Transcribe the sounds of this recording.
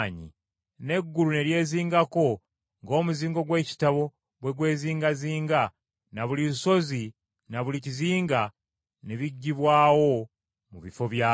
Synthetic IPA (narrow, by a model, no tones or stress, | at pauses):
ɲḭ | ne̞ɡːulune̞ɾje̞ːziːŋɡako̞ | ŋɡo̞ːmuziːŋɡo̞ɡwe̞ːci̥taβo̞ | βwe̞ɡwe̞ːziːŋɡaziːŋɡa | naβuliso̞zi | naβuliciziːŋɡa | neβiɟːiβwaːwo̞ | muβifo̞βjaː